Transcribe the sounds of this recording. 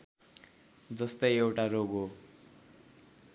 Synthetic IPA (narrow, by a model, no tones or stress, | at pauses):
d͡zʌst̪ʌjewʈaroɡɦo